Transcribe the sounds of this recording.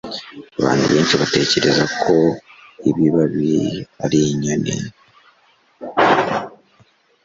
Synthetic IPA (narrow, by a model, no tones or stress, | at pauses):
aβa̰ːnhuβeːnʃiβate̞ːce̞ɾe̞zakʰo̞iβiβaβia̰ɾiɲanḭ